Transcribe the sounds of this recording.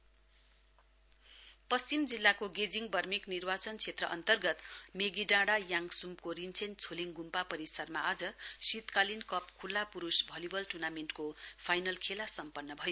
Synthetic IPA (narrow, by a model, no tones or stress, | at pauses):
pʌst͡simd͡zilːakoɡed͡ziŋbʱʌrmiknirbat͡sʌnt͡sʰet̪rʌʔʌ̰nt̪ʌrɡʌt̪meɡiɖãɽajaŋsumkoɾint͡sʰent͡sʰoliŋɡumpapʌɾisʌrmaʌd͡zʌsit̪kalinkʌpkʰulːapuɾusbʱʌlibʌlʈurnamenʈkopʰajnʌlkʰelasʌmpʌnːʌbʱʌjo